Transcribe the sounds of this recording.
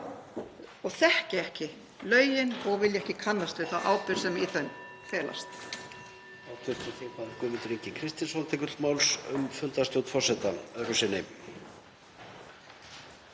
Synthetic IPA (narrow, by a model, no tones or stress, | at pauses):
ɔɣθɛhcɪɛhcɪ | lœːɥjɪnɔɣvɪljɛhcɪkʰanlast̪vɪθaʔa̰ːwpɪɾ̥sɛmiθœn | fɛːla̰st̪ | awt̪ʰʏɾ̥t̪ɔθɪːpaðɪkʏːmɪnt̪ʏɾeɲcɪkʰɾɪst̪inshɔlt̪ʰɛkʏɾmaːwlsʏmfʏlt̪ast̪jowt̪fɔrsɛt̪aœɾʏsɪnːɪ